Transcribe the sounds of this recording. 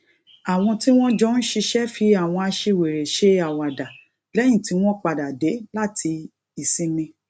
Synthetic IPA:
a˨w̃ɔ̃˧ti˦w̃ɔ̃˦d͡ʒɔ˦ñ̩˦ʃi˧ʃɛ˦fi˧a˨w̃ɔ̃˧a˧ʃe˧˨we˨ɾe˨ʃe˧a˨wa˨da˨ | lɛ˦j̃ĩ˦˨ti˨˦w̃ɔ̃˦k͡pa˧da˨de˨˦la˦˨tʰi˧ | i˨sĩ˨˧nĩ˧

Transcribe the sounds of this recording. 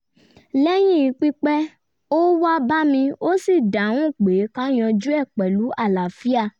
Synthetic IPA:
lɛ˦j̃ĩ˦i˨˧˦k͡pi˦k͡pɛ˦ | o˦wa˦ba˦mĩ˧o˦si˦˨da˨˦ũ˦˨k͡pe˨˦kã˦j̃ɔ̃˧d͡ʒu˦ɛ˦˨k͡pɛ˨lu˨˦a˦˨la˨fi˦a˧˨

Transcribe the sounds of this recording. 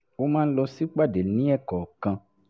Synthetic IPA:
wo˦mãː˦n̩˦lɔ˧si˦k͡pa˦˨de˨˦nĩ˦ɛ˦˨kɔ˨kã˧

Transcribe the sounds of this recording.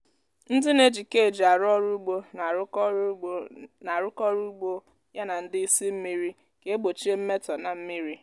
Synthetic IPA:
n̩˦dɪ˦ne˦d͡ʒi˨ke˦e˨d͡ʒa˨ɾɔ˦ɾu˦ɡ͡bo˦˨˦ | na˨ɾʊ˦kɔ˦ɾu˦ɡ͡bo˦ | ja˦na˨n̩˦dɪ˦i˦si˦m̩˦mi˦ɾi˦ | ke˦e˦ɡ͡bo˨t͡ʃi˦e˦m̩˦me˦tɔ˨na˨m̩˦mi˦ɾi˦

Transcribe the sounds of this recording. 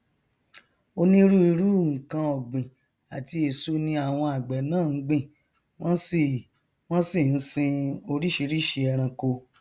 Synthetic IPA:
o˧nĩ˦ɾu˦i˧ɾu˦˨ŋ̩˨kã˧ɔ˨ɡ͡bĩ˨ | a˨ti˧e˨so˧nĩ˧a˦˨w̃ɔ̃˧a˨ɡ͡bɛ˨nãː˦˨n̩˦ɡ͡bĩ˦˨ | w̃ɔ̃˦si˨ | w̃ɔ̃˦si˦˨n̩˦sĩ˧o˧ɾi˦ʃi˧ɾi˦ʃe˧ɛ˧ɾ̃ã˧ko˧

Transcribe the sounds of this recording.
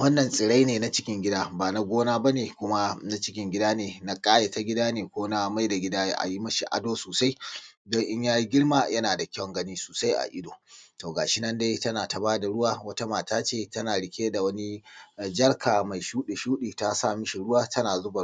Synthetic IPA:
wɐ˦nːɐ˨nsʼɪ˨ɽa˦jneː˨na˦t͡ʃɪ˦kʲɪ˦ŋɡʲɪ˦daː˦baː˨na˦ɡʷoː˦naː˦ba˦neː˨kʷʊ˦ma˦na˦t͡ʃɪ˦kʲɪ˦ŋɡʲɪ˦daː˦neː˨na˦kʼaː˦je˨ta˦ɡʲɪ˦daː˦neː˨kʷoː˦na˦ma˦jda˨ɡʲɪ˦daː˦j̰ʔa̰˨ji˦mɐ˦ʃi˨ʔa̰˦doː˦soː˨sa˦jdɔ˦ŋʔɪ˦ɲjaː˦ji˦ɡʲɪ˦ɽmaː˦jɐ˦naː˨da˨kʲɔ˦˨ŋɡɐ˦niː˦soː˨sa˦jʔa̰˨ʔɪ˦doː˨toː˨ɡaː˨ʃɪ˦nɐ˦nda˦jtɐ˦naː˨ta˨baː˦da˨ɽʊ˦waː˦wɐ˦ta˦maː˨taː˦t͡ʃeː˦˨tɐ˦naː˨ɽɪ˨kʲeː˦da˨wɐ˦ni˦˨d͡ʒɐ˦ɽkʰaː˨ma˨jʃuː˦ɗi˨ʃuː˦ɗiː˨ta˦saː˦˨mɪ˦ʃi˨ɽʊ˦waː˦tɐ˦naː˨zʊ˦ba˨

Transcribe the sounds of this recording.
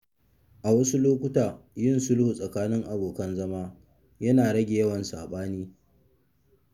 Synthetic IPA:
ʔa˨wɐ˦su˦loː˦kʷʊ˦taː˨jɪ˦˨nsʊ˦lhu˨sʼɐ˨kaː˦nɪ˦ŋʔa˨boː˨kɐ˦nzɐ˦maː˦ | jɐ˦naː˨ɽɐ˦ɡʲe˨jɐ˦wɐ˨nsa̰ː˨ɓaː˦niː˦

